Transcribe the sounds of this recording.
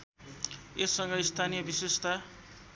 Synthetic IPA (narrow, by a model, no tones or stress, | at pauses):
esʌŋɡʌist̪ʰanijʌbisest̪ʰa